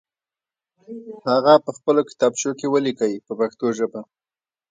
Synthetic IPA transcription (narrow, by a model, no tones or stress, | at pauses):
haɣapəxpəlokɪ̥t̪ɑbʃokewəlikawipəpaxt̪oʒəba